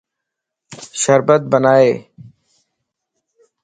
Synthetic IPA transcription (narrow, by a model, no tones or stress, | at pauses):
ʃəɾbət̪̚bənaːeː